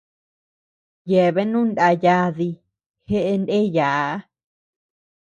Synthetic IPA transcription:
je˨βe˦nũ˦nda˧ja˧ði˧ | he˦ʔe˧nde˦ja˨ʔa˦

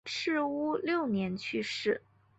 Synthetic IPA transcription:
ʈ͡ʂʰɻ̩˥˧u˥ljo˥˩ʊnjɛ˧˥nt͡ɕʰy˥˧ʂɻ̩˥˩

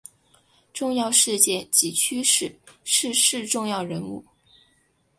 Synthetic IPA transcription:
ʈ͡ʂʊ˥˧ŋjɑ˥˧ʊʂɻ̩˥˧t͡ɕjɛ˥˩nt͡ɕi˧˥t͡ɕʰy˥ʂɻ̩˥˩ʂɻ̩˥˧ʂɻ̩˥˧ʈ͡ʂʊ˥˧ŋjɑ˥˩ʊɻə˧˥nṵ˥˩

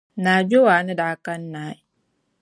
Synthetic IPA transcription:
naː˨d͡ʒɔ˦waː˨na˦da˨ka˦nːaː˨˦i˨

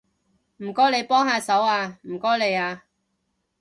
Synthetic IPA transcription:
m̩˨˩kɔː˥le˨˧jpɔː˥ŋhaː˧sɐ˨˥waː˧m̩˨˩kɔː˥le˨˧jaː˧

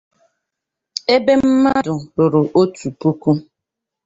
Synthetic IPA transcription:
e˦be˦m̩˦ma˦dʊ˨bʊ˨ɾʊ˨ʔo˦tu˨pu˦ku˦

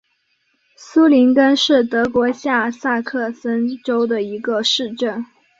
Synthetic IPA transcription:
su˥li˧˥nkə˥nʂɻ̩˥˩t̪ɤ˧˥kwɔ˧˥ɕja˥˩sa˥˧kʰɤ˥˩sə˥nʈ͡ʂo˥ʊd̪ə˨i˧˥ɡə˧ʂɻ̩˥˧ʈ͡ʂə˥˩n

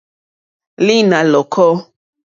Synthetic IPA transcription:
li˦nã˨lɔ˨kʰɔ˦

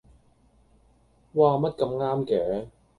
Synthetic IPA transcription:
waː˧mɐ˥t̚kɐ˧mŋaː˥mkɛː˨˦

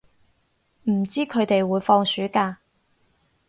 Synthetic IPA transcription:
m̩˨˩t͡siː˥kʰɵ˨˧t̪e˨jwuː˨˧jfɔː˧ŋsyː˨˥kaː˧

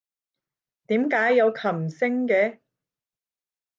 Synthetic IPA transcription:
t̪iː˨˥mkaː˨˥jːɐ˨˧wkʰɐ˨˩msɪ˥ŋkɛː˨˧

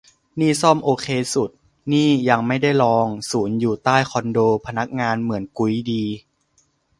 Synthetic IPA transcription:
niː˥˩sɔː˥˩mʔoː˧kʰeː˧su˨˩t̪̚ | niː˥˩ja˧ŋma˥˩jda˥˩jlɔː˧ŋsuː˩˦njuː˨˩t̪aː˥˩jkʰɔ˧ndoː˧pʰa˧na˦˥k̚ŋaː˧nmɯ˩˦ənku˧˦jdiː˧

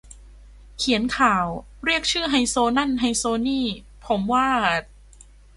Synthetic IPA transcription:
kʰi˩˦ənkʰaː˨˩w | ɾi˥˩ək̚t͡ɕʰɯː˥˩ɦa˧jsoː˧na˥˩nɦa˧jsoː˧niː˥˩ | pʰo˩˦mwaː˥˩

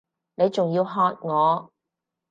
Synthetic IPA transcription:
ne˨˧jt͡sʊ˨ŋjiː˧wɦɔː˧t̚ŋɔː˨˧

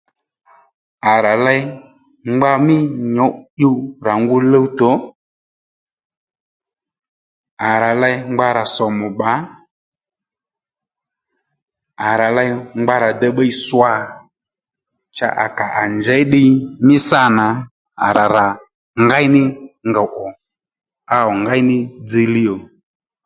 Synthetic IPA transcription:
a˨ɾa˨lɛ˧j | ŋ͡mɡ͡ba˧mɪ˦ɲɔ˨˦ɗu˧ɾa˨ŋɡʊ˦˧lə˦u˦tɔ˨˦ | a˨ɾa˨lɛ˧jŋ͡mɡ͡ba˧ɾa˨sɔ˨mʊ˨ɓa˨˦ | a˨ɾa˨la˧jŋ͡mɡ͡ba˦ɾa˨da˦ɓa˦i˦swa˦˧˨ | t͡ʃa̰˦ʔa̰˨ka˨ʔa˨nd͡ʒɛ˨˦ɗɪ˧mɪ˦sa˦˨na˨˦ | a̰˨ɾa˨ɾa˨ | ŋɡa˦jnɪ˦ŋɡa˨ʔɔ˨ | a˦ɔ˨ŋɡa˦ɪ˦nɪ˦d͡ze˧li˦ɔ˨

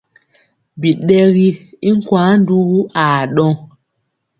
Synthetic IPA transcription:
bi˨ɗɛ˦ɣi˦i˦ŋ̩˦kwãː˨˦n˦du˦ɣu˦a˨ɗɔ̃˦ŋ

